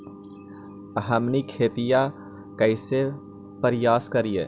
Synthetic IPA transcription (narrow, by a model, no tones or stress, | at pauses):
ɐɦəmnikʰeːt̪ija | kɐɪse | pəɾɪjaːskɐɾijḛː